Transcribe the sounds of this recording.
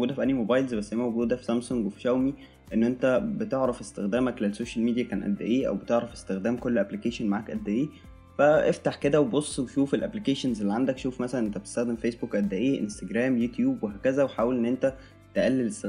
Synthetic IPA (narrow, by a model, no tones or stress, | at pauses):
ɡuːd̪æfiʔænːimobɑjlzbæsːhejːæmæwɡuːd̪æfi̥sæmsoŋɡwefi̥ʃæwmi | ʔenːʔent̪æbet̪eʕɾɑfest̪exd̪æːmæklelsoːʃælmiːijækæːnʔæ̰d̪ːæ̰ʔeːʔæ̰wbet̪eʕɾˤɑfe̥st̪exd̪æːmkolːʔæblikeːʃenmaʕaːkʔæd̪ːæʔeː | fæʔeft̪aħked̪æwebosˤːweʃuːfelʔæblikeːʃenzʔelːiʕand̪ækʃuːfmæsælænʔent̪æbet̪e̥st̪æxd̪emfeːsbukʔæd̪ːæʔeːʔḛnst̪æɡɾæːmjut̪juːbweɦæːkæzæweħaːwelʔenːʔent̪æ | t̪eʔælːelest̪e